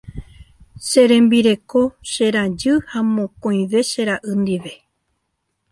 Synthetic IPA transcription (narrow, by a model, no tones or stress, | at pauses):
ʃeɾẽ̞mbiɾe̞ko̞ʃe̞ɾad͡ʒɨhamõ̞kõj̃ʋe̞ʃe̞ɾaʔɨnd̪iʋe̞